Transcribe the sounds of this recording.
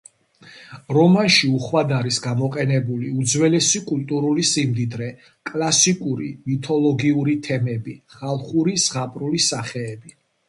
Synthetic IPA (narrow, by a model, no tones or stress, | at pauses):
ɾɔmanʃiuχwad̪aɾisɡamɔqʼɛnɛbuliud̪zwɛlɛsikʼult̪ʼuɾulisimd̪id̪ɾɛ | kʼlasikʼuɾḭmit̪ʰɔlˠɔɡiuɾit̪ʰɛmɛbiχalˠχuɾizʁapʼɾulisaχɛːbi